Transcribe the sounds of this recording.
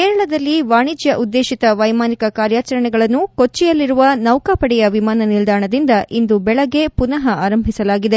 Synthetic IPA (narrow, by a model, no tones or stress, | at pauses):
keːɾɐɭɐd̪ɐlːiʋaːɳid͡ʒjɐʔud̪ːeːʃit̪ɐʋɐjmaːnikɐkaːɾjaːt͡ʃɐɾɐɳɛɡɐɭɐnːukot͡ʃːijɐlːiɾuʋɐnɐwkaːpɐɽɛjɐʋimaːnɐnild̪aːɳɐd̪ind̪ɐʔind̪ubɛɭɐɡe̞punɐɦɐaːɾɐmbʱisɐlaːɡid̪e